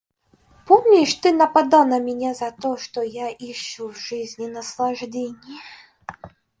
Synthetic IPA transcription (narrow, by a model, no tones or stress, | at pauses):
pɔmʲnʲiʂt̪ɨnɐpad̪anɐmʲɛnʲɛzɐt̪ɔʂt̪ɔjaʔiʂuwʐɨzʲnʲinɐslˠaʐdʲenʲːi